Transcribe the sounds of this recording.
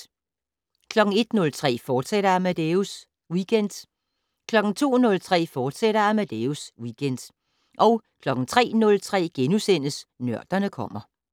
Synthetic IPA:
kʰlɒ̽ɡ̥ŋ̩e̝d̥nɔ̽lt͡sʰʁɛ̰ːfɒːd̥seɾɐæmæd̥eus | wiɡ̥ʰen̰d̥ | kʰlɒ̽ɡ̥n̩t͡sʰo̝̰ːnɔ̽lt͡sʰʁɛ̰ːfɒːd̥seɾɐæmæd̥euswiɡ̥en̰d̥ | ʔɒ̽ʊkʰlɒ̽ɡ̥n̩t͡sʰʁɛ̰ːnɔ̽lt͡sʰʁɛ̰ːɡ̥enusen̰əsnɶɐ̰d̥ɐnəkʰɒ̽m̰ɐ

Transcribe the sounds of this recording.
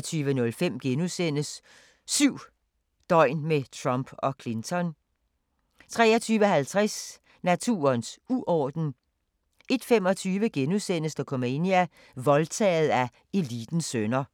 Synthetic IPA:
t͡sʰyːʋənɔ̽lfem̰ɡ̥enusen̰əsː | yʊ̰ | d̥ɒ̽ɪ̰nmet͡sʰʁɑmb̥ɒ̽kʰlent͡sʰɒ̽n | t͡sʰʁɛ̰ːɐt͡sʰyːʋəɦælt͡sʰʁas | næt͡sʰṵːɐnsuʔɒːd̥n̩ | e̝d̥femɒ̽t͡sʰyːʋəɡ̥enusen̰əsd̥ɑkʰomeniæ | ʋɒ̽lt͡sʰɛ̰ːð̩ˠæ | e̝lid̥n̩sønɐ

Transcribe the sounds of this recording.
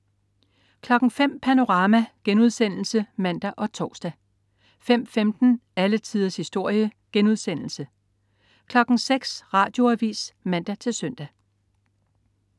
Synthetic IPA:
kʰlɒ̽ɡ̥ŋ̩fem̰pʰæno̝ʁɑ̈ːmæɡ̥enuð̞ˠsen̰l̩səmæn̰d̥æʔɒ̽t͡sʰɒːsd̥æ | fem̰femd̥n̩ælət͡sʰiːðˠɐshisd̥o̝ɐ̰jəɡ̥enuðˠsen̰l̩sə | kʰlɒ̽ɡ̥ŋ̩seɡ̥sʁɑ̈ːd̥jo̝æʋḭːsmæn̰d̥æt͡sʰe̝lsœn̰d̥æ

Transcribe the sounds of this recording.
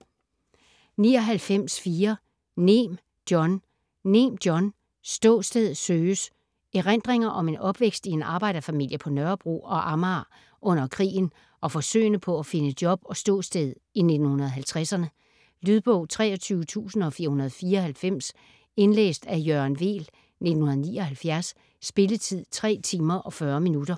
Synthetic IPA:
niːɒ̽ɦælfem̰sfiːɐ | nem | d̥jɒ̽nː | e̝md̥jɒ̽n | sd̥ɔ̰̽ːsd̥eð̞ˠsøːs | eʁen̰d̥ʁeŋɐʔɒ̽me̝nɒ̽b̥ʋeɡ̥sd̥ie̝nɑ̈ːb̥ɑ̈ɪ̰d̥ɐfæmil̰jəpʰɒ̽nɶɐb̥ʁṵɒ̽ʔɑ̈mɑː | ʔɔ̽n̰ɐkʰʁḭːn̩ | ʔɒ̽fɒ̽sø̰ːɪnəpʰɒ̽æfe̝nəd̥jɒ̽b̥ɒ̽sd̥ɔ̰̽ːsd̥eð̩̰ˠine̝d̥n̩hunɐð̞̩ˠɦælt͡sʰʁasɐnə | lyðˠb̥ɔʊ̰t͡sʰʁɛ̰ːɒ̽t͡sʰyːʊət͡sʰṵːsn̩ɒ̽fiːɐhunɐð̞̩ˠfiːɐɒ̽hælfem̰s | e̝nlḛːsd̥æjøɐnʋe̝̰ːl | ne̝dn̩hunɐðˠniːɒhælfjæɐsː | b̥e̝lət͡sʰið̰ˠt͡sʰʁɛ̰ːt͡sʰiːmɐʔɒ̽fɶːɐminud̥ɐ

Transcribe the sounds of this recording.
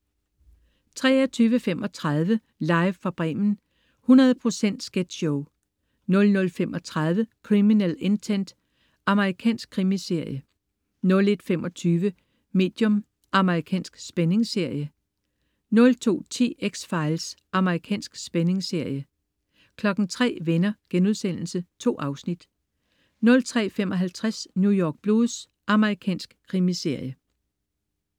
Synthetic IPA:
t͡sʰʁɛ̰ːɐt͡sʰyːʋəfemɒ̽t͡sʰʁɑð̞ˠʋə | lɑ̈ɪʋfɑb̥ʁɛ̰ːmn̩ | hunɐð̞ˠpʰʁo̝sen̰d̥sɡ̥ed̥ɕɔʊ | nɔ̽lnɔ̽lfemɒ̽t͡sʰʁað̞ˠʋəkʰʁiminele̝nt͡sʰen̰d̥ | ʔɑ̈məʁikʰɛ̰ːnsɡ̥̚kʰʁimise̝ɐ̰jə | nɔ̽le̝d̥femɒ̽t͡sʰyːʋə | me̝̰ːd̥jɔ̽m | ʔɑ̈məʁikʰɛ̰ːnsɡ̥sb̥ene̝ŋse̝ɐ̰jə | nɔ̽lt͡sʰo̝̰ːt͡sʰe̝̰ːeɡ̥sfɑ̈ɪlsʔɑ̈məʁikʰɛ̰ːnsɡ̥sb̥ene̝ŋse̝ɐ̰jə | kʰlɒ̽ɡ̥n̩t͡sʰʁɛ̰ːʋenɐɡ̥enuð̞ˠsen̰l̩sət͡sʰo̝̰ːʔɑ̈ʊsnid̥ | nɔ̽lt͡sʰʁɛ̰ːfemɒ̽ɦælt͡sʰʁasnjujɒːɡ̥̚b̥lo̝ːðˠs | ʔɑ̈məʁikʰɛ̰ːnsɡ̥kʰːʁimise̝ɐ̰jə

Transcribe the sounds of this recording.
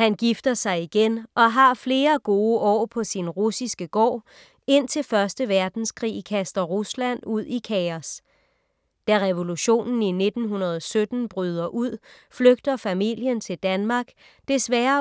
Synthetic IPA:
hænɡ̥ifd̥ɐsɑ̈ɪiɡ̥enʔɒ̽ɦɑ̈fle̝ːɐɡ̥o̝ːəʔɒ̰ːpʰɒ̽sinʁusisɡ̥əɡ̥ɒ̰ː | e̝n̰t͡sʰe̝lfɶɐsd̥əʋæɐd̥n̩skʰʁḭːkʰæsd̥ɐʁuslæn̰duð̰ˠikʰɛɒs | d̥æʁɛʋo̝luɕo̝̰ːnn̩ine̝d̥n̩ɦunɐð̞ˠɒsød̥n̩b̥ʁyːð̞ˠɐʔuð̞̰ˠ | fløɡ̥̚d̥ɐfæmiljənt͡sʰe̝ld̥ænmɑ̈ːɡ̥ | d̥e̝sʋæːɐ

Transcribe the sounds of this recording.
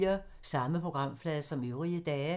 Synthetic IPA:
ɐ | sɑ̈məpʰʁo̝ɡ̥ʁɑ̈m̰flɛːðˠsɒ̽møʊʁiəd̥ɛː

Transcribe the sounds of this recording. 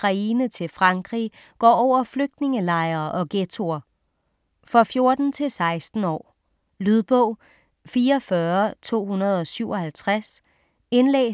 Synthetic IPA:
ɑ̈iːnət͡sʰe̝lfʁɑ̈ŋɡ̥ʁi | ɡ̥ɒ̰ːɒʊ̰ɐfløɡ̥̚d̥ne̝ŋəlɑ̈ɪɐːʔɒ̽ɡ̥et͡sʰo̝ɐ | fʁɑfjo̝ɐd̥n̩t͡sʰe̝lsɑ̈ɪsd̥n̩ɒ̰ː | lyðˠb̥ɔ̽ʊ̰ | fiːɐɒfɶɐt͡sʰo̝̰ːhunɐð̞̩ˠɒ̽syʊɒ̽hælt͡sʰʁas | enlɛ̰ː

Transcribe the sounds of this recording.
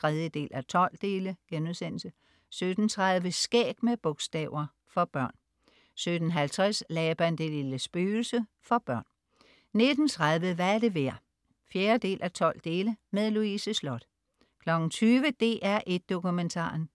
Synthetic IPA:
t͡sʰʁɛð̞ˠjəd̥e̝̰ːlʔæt͡sʰɒ̽l̰d̥e̝ːləɡ̥enuðˠsen̰l̩sə | sød̥n̩t͡sʰʁäðˠʋəsɡ̥ɛ̰ːb̥meb̥ɔ̽ɡ̥sd̥ɛ̰ːʊɐ | fɒ̽b̥ɶɐ̰n | sød̥n̩ɦælt͡sʰʁɛslɛːb̥ænd̥e̝liləsb̥yːl̩sə | fɒ̽b̥ɶɐ̰n | ne̝d̥n̩t͡sʰʁað̞ˠʋəʋææɐde̝ʋeɐ̰ | fjeːɐd̥e̝̰ːlʔæt͡sʰɒ̽l̰d̥e̝ːləmeðˠluisəslɒ̽d̥ | kʰlɒ̽ɡ̥n̩t͡sʰyːʋəd̥e̝̰ːʔæɐʔe̝d̥̚ːo̝kument͡sʰɑ̰̈ːn

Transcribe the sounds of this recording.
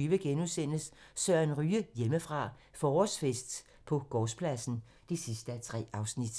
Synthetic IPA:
yʋəɡ̥enusen̰əssœɐ̰enʁyːəjeməfʁɑ̈ː | fɒːɒsfesd̥ | pʰɒ̽ɡ̥ɒːspʰlæsn̩ | d̥esisd̥əæt͡sʰʁɛ̰ːɑ̈ʊsnid̥

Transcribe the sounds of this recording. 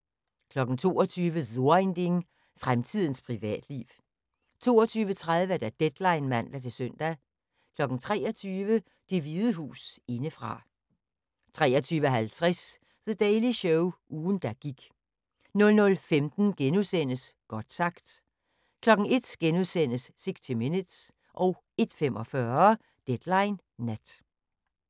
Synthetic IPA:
kʰlɒ̽ɡ̥n̩t͡sʰo̝̰ːɐt͡sʰyːʋəðo̝ɐend̥eŋ | fʁamt͡sʰið̞̰ˠn̩spʰʁiʋɛ̰ːd̥lḭʊ | t͡sʰo̝̰ːɒt͡sʰyːʋət͡sʰʁaðˠʋəd̥æd̥ed̥lɑ̈ɪnmæn̰d̥ɐt͡sʰe̝sœn̰d̥æ | kʰlɒ̽ɡ̥n̩t͡sʰʁɛ̰ːɐt͡sʰyːʋə | d̥e̝ʋiðˠəɦṵːse̝nəfʁɑ̈ | t͡sʰʁɛːɒt͡sʰyːʋəɦælt͡sʰʁɛs | ðəd̥ɛɪliɕɔʊuːn̩d̥æɡ̥iɡ̥ | nɔ̽lnɔ̽lfemd̥n̩ɡ̥enuðˠsen̰əsɡ̥ɒd̥sɑ̈ɡ̥d̥ | kʰlɒ̽ɡ̥ŋ̩e̝d̥ɡ̥enuðˠsen̰əsːe̝ɡ̥sdʰimenid̥s | ʔɒ̽ʊ | e̝d̥fem̰ʔɒ̽fɶɐ | d̥ed̥lɑ̈ɪnː | æd̥

